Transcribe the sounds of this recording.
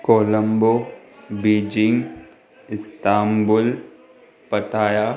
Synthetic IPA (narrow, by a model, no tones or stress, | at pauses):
koːləmbo | biːd͡ʒɪŋɡ | ɪst̪aːmbʊl | pɐʈʰaːja